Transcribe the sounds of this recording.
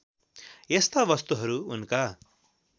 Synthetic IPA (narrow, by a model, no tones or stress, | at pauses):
jest̪abʌst̪uɦʌɾuunka